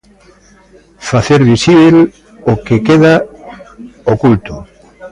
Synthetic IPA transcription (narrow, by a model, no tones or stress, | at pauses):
faθeɾβisiβel | okekeða | okult̪ʊ